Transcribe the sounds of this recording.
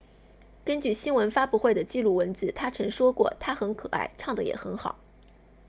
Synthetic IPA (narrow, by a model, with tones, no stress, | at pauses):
kə˥nt͡ɕy˥˩ɕi˥nwə˧˥nfa˥pu˥˧xwe˥˩ɪd̪ə˩t͡ɕi˥˧lu˥˩wə˧˥nd͡zɹ̩˥˩t̪ʰa˥ʈ͡ʂʰɤ˧˥ŋʂwɔ˥kwɔ̰˥˩t̪ʰa˥xə˧˥nkʰɤ˨˩ʔa̰˥˩ɪʈ͡ʂʰɑ˥˩ŋd̪ə˩jɛ̰˨˩xə˧˥nxɑ̰˨˩˦ʊ